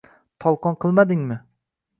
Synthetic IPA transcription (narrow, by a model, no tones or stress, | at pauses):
t̪ʰɒlˠqɒnqʰɨlˠmad̪ɪŋmɪ